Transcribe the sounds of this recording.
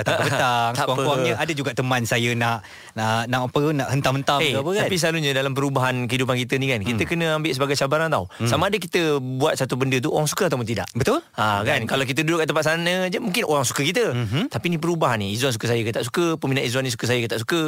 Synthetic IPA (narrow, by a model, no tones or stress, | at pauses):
t̪abət̪aŋt̪awakwaɲəʔadəd͡ʒuɡaʔt̪əmãnsajənaʔ | əʔnaʔapənaʔhənt̪amhənt̪aeuapək̪anpisəlaluɲə̃dalamp̬əɾubaɦankəɦidup̬ankit̪ənikankit̪əkənə̃ambɪʔs̬əbaɡajsabaɾaŋt̪awsamãːdək̬it̪əbuat̪̚sat̪ubəndət̪uoɾaŋsu̥kəat̪awp̬ʊnt̪ida̰ʔbət̪ʊlakankalawkit̪̬ədudʊʔkaʔt̪əmpat̪̚sanə̃d͡ʒəmũŋkɪnʔoɾaŋsu̥kəkit̪̬ət̪apinip̬əɾubaɦaniizuansukəs̬ajəkət̪aʔs̬u̥kəpəminaʔizwanĩs̬u̥kəs̬ajəkət̪aʔsukə